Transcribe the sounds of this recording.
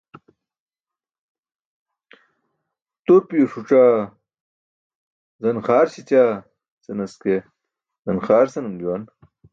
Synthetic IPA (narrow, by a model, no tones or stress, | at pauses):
t̪oɾpioʂuʈ͡ʂaː | zɐnxaːɾɕit͡ɕaː | sɐnɐske | zɐnxaːɾsɐnɐmd͡ʑuwan